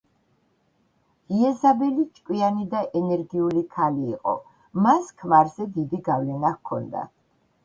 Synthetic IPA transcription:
iɛzabɛlit͡ʃʼkʼwianid̪aʔɛnɛɾɡiulikʰaliːqʼɔ̰ | maskʰmaɾzɛd̪id̪iɡavlɛnakʰːɔ̰nd̪a̰

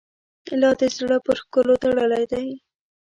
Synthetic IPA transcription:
lɑd̪ezɽəpəɾxkəlot̪aɽəlajd̪aj

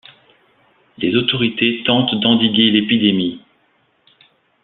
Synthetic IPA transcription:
lezot̪ɔʁit̪et̪ɑ̃t̪d̪ɑ̃d̪iɡʲelepid̪emi

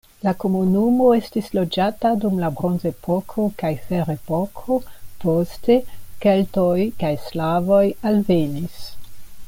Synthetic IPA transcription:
lako̞munumo̞e̞stislo̞d͡ʒatadumlabɾonze̞pʰokʰo̞kajfeɾepokʰo̞poste̞keltojkajslavo̞jalve̞nis

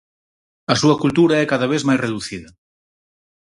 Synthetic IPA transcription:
ɐsuɐkult̪uɾɐɛkaðɐβ̞ezmajsreðuθiðɐ

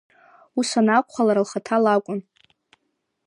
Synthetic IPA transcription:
usʷanakʷʰʼχʷalaɾalχatʰalakʷʼʊn

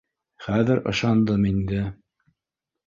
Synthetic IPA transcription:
χæðɘɾɤ̰̆ʃɑnd̪ɤmind̪ɘ

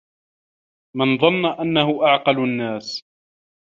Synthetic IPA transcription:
mɪnðˤɑnːaʔanːahʊʔaʕqɑlanːaːs

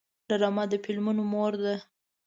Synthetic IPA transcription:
ɖaɾɑmɑd̪əfɪlmunomoɾd̪a

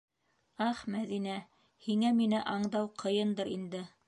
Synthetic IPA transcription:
ɑχmæðinæ | hiŋæminɘʔɑɴd̪ɑwqʰɤ̆jɤnd̪ɤɾind̪ɘ

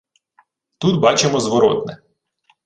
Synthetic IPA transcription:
t̪ut̪bɑt͡ʃemɔzʋɔɾɔt̪nɛ

